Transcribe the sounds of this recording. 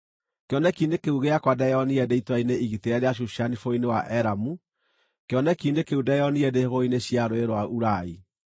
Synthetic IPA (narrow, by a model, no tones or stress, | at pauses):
keɔnɛkindekeuɣeakwadɛɔniɛdeitwaineʔiɣiteɛɾeaɕ̬uʃanifoinewaʔɛɾamu | keɔnɛkiːndekeudɛɔniɛdeɣoineɕjaɾoeɾwauɾai